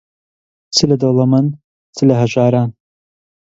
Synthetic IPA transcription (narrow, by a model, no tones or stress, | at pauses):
t͡sʰɨlɐd̪olˠɐmɨn | t͡sʰɨlɐɦɐʒaːɾaːn